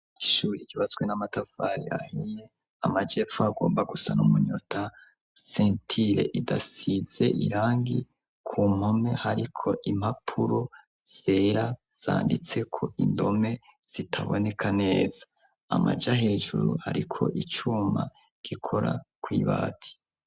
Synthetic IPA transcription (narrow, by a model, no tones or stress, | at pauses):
iʃuːɾiɡiβazwenamatafaɾḭa̰heje | amad͡ʒe̞fuaɡo̞ːmbaɡusanumuɲo̞̰tʰa | sentʰiɾe̞̰ʔidasize̞̰ʔḭɾaːŋɡi | kʰuːm̥ho̞me̞haɾikʰo̞ʔim̥hapʰuɾo | z̥eɾa | z̥a̰ːndit͡se̞kʰo̞ʔindo̞me̞ | z̥itʰaβo̞̰ne̞kʰane̞ːz̥ḁ | a̰ma̰d͡ʒaɦe̞ːd͡ʒuɾuha̰ɾikʰo̞̰ʔit͡ʃuma̰ | ɡ̥ikʰo̞ɾa̰kwiːβa̰ːtʰi̥